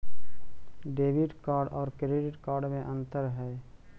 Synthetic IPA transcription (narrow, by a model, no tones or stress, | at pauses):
ɖeːʋɪɖkaːɾɖɔːɾkɾeːɖɪʈkaːɾɖmẽʔə̃nt̪əɾɦɛː